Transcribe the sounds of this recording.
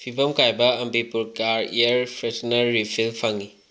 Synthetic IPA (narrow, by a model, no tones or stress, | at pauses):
pʰibɐmkajbɐɐmbipuɾkaɾḭɐɾpʰɾetnɐːipʰilpʰaŋi